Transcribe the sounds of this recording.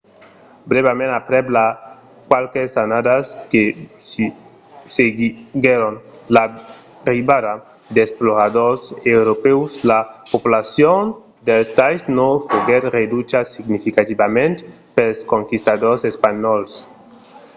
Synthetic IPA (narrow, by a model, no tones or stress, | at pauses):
bɾeβemẽnapɾebla | kwalkesanad̪askesi | seɡɡeɾonla | riβaða | d̪esploɣaðoɾsewɾopewslapopulasjon | d̪elst̪ajsnofoɣeɾred̪ut͡ʃasiɡnifikat̪ibamẽnt̪ | pelskoŋkist̪aðosespaɲɔls